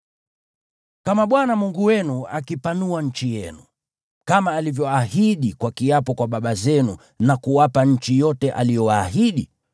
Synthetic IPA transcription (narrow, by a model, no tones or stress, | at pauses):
kamaɓwanamuŋɡuwɛnuakipanuaɲ̩t͡ʃijɛnu | kamaːlivjɔahiɗikwakiapɔkwaɓaɓazɛnu | nakuwapaɲ̩t͡ʃijɔtɛʔa̰lijɔwaːɦiɗi